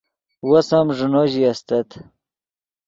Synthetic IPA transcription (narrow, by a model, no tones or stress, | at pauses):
wosamʐunoʑiast̪ɐt̪